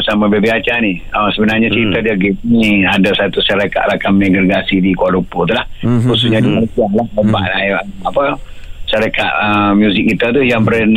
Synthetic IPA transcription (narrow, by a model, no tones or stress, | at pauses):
samãbebiat͡ʃanihəsəbənarɲat͡ʃəɾit̪adiaɡɛsniadasat̪uʃaɾaka̰ʔɾakamɛɡɾeɡasidikualuput̪ulahkususɲadimənəsiahlahəbaʔaamapə | ʃaɾaka̰ʔəmjuzɪk̚ːit̪at̪ujaŋbəɾən